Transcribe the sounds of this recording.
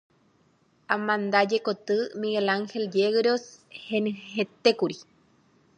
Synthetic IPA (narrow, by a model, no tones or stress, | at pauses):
amãnd̪ad͡ʒekot̪ɨmiɣelaŋxeljeɣɾoshenɨ̃het̪ekuɾi